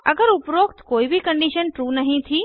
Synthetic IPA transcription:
əɡəɾupɾokt̪koːibʱikəɳɖiʃənʈɾunəɦĩt̪ʰi

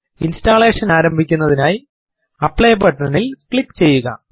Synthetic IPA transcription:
instaːɭe̞ːʂɐnaːɾɐmbʱikʲːunːɐðinaːji | ɐpːɭejbɐʈːnɐnilkɭikːt͡ɕe̞jːuɣɐ̰

